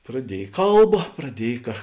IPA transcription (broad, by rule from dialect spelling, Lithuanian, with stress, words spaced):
prɐˈdʲiɛj ˈkɐlˠbɐ prɐˈdʲiɛj kɐ